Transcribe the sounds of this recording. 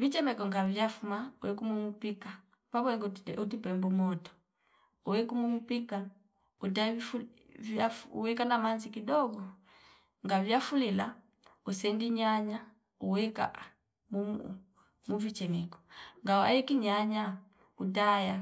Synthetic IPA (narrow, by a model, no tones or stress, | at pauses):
vit͡ʃɛmɛkɔŋɡavjafumauwɛkumumupika | pabwɛŋɡuutipɛmbumɔtɔ̥ | uwɛkumumupika | udafvaṵwɛkanamanzikidɔɡɔ | ŋɡavjafulila | usɛndiɲaɲa | uwɛka̰ | mu | muvit͡ʃɛmɛkɔ̥ŋɡaa̰jikiɲaɲa | utaja